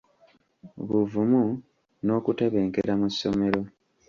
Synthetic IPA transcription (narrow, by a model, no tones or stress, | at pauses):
βuvumu | no̞ːkuteβe̞ːŋkeɾamusːo̞me̞ɾo̞